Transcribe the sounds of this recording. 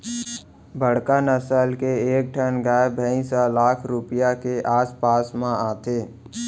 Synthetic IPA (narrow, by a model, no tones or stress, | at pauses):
bəɽ̤kanəsəlkeeːk̚ʈʰənɡaːebʱəĩsɔlaːkʰɾʊpɪjakeʔaːspaːsmãaːt̪eː